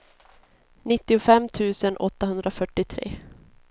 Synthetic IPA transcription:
nɪt̪ːɪʊfɛmːt̪ʰʉ̟ːsənʔɔt̪ːaɦɵnd̪ɾafœʈːɪt̪ʰɾḛː

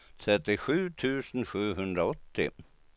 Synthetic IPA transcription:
t̪ʰɾɛt̪ːɪɧʉ̟ːt̪ʰʉ̟ːsən̩ɧʉ̟ːɦɵnd̪ɾaɔt̪ːɪ̰

